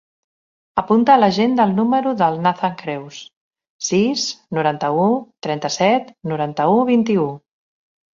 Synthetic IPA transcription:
əpunt̪əːləʒend̪əlˠnuməɾuðəlˠnaθaŋkɾɛws | sisnuɾant̪əut̪ɾɛnt̪əsɛt̪nuɾant̪əuβint̪iu

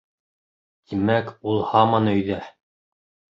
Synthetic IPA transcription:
t̪imækulˠhɑmɑnɵ̆jðæ

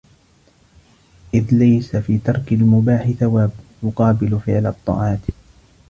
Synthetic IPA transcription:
ʔɪðlajsafiːt̪ɑɾˤkalmʊbaːħɪθawaːbjʊqɑːbɪlfɪʕlɑt̪ˤːɑ̰ːʕɑːt̪

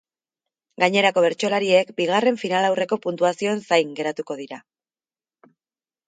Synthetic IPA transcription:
ɡaɲe̞ɾako̞β̞e̞ɾt͡ʃo̞laɾie̞kbiɣare̞ɱfinalawre̞ko̞punt̪uasio̞ensajŋɡe̞ɾat̪uko̞ðiɾa

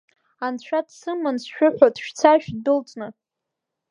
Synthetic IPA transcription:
ant͡ɕʷʰadsɨmansʃᶣʊħʷᶣadʃᶣt͡sʰaʃᶣdɨlt͡sʼnɨ

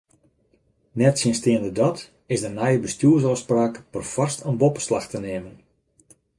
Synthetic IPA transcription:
nɛtsjɪnstɪəndədɔt | ɪsdənɛjəbəstjuəs̬ɔspraːkd̥ərfɔrstənbopəslaxtəneːmən

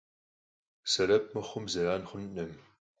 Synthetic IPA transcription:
sɐɾɐp̚mɐχʷʊmzɐɾaːnχʷʊnnɐm

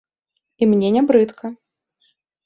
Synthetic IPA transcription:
imnʲɛnʲabɾɨt̪kʰɐ

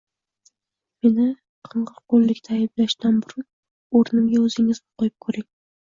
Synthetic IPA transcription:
me̞nɪ | qʰɨɴʁɨɾqʰolˠːɪkʲt̪ʰaːjblaʃt̪anbʊɾʊn | ɵɾnɪmɡʲaɵzɪŋɪzbqʰojɪp̚kʰɵɾɪŋ

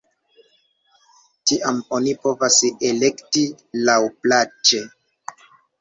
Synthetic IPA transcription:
tiʔamo̞nipo̞vasele̞kti | lawplat͡ʃe̞

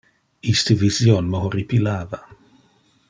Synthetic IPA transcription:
ist̪əvizjonməɦoripilaːva

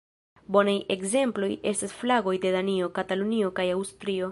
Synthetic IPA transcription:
bo̞naje̞ɡze̞mplo̞je̞stasflaɡo̞jde̞danio̞katalunio̞kajawstɾio̞

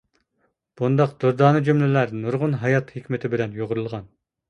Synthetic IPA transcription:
b̥und̪ɑqd̪̥oɾd̪ɑːnɨd͡ʒymlɪlæɾnuɾʁʊnɦɑjɑt̪hekʲmɪt̪ʰɪbɪlɛnjoʁʊɾulˠʁɑn

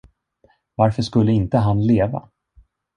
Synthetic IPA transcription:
vaɾfœʂkɵlːəɪnt̪əɦanleːva̰

